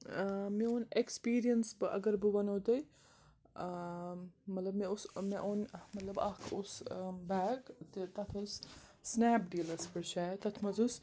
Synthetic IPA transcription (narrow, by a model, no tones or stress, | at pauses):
miunekspiːɾijɐnsbɨʔɐ̰ɡɐɾbɨʋɐnoːd̪ɐj | mɐt̪lɐbmeusmeʔonmɐt̪lɐbɐkʰusbaːɡt̪it̪ɐt̪ʰɐssnæːpɖiːlɐspɨɾʃaːt̪ɐt̪ʰmɐzus